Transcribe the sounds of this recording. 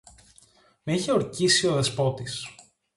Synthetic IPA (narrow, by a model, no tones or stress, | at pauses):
meiçe̞o̞ɾcisio̞ðespo̞t̪is